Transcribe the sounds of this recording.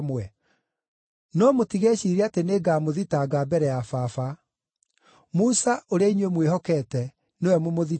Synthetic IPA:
mwɛ | nɔmotiɣɛɕiɾeateneɡaːmoðitaɡaːbɛɾɛjafafa | musaʔoɾeainwemwehɔkɛːtɛ | newɛmomoði

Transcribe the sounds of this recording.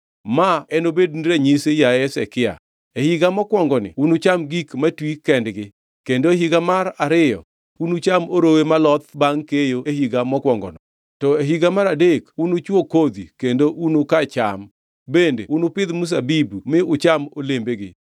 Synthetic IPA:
maɛnobednɾeɲisejaɛsɛkɪa̰ | ehiɡamɔkwɔŋɡɔnɪ̰unʊt͡ʃamɡikmatwikɛndɡɪ | kendoeɦiɡamaɾaɾɪjɔ̰ | unut͡ʃamoɾowemalɔt̪baŋkejoehiɡamɔkwɔŋɡɔ̰nɔ̰ | tɔeɦiɡamaɾadekunʊt͡ʃwokod̪ikendoʔunokat͡ʃam | bendḛunʊpɪd̪mus̬abibumɪʊt͡ʃamolembeɡɪ

